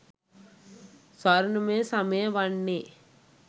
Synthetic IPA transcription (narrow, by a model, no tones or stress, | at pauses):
sɐɾnmẽsɐmẽʋɐɳːeː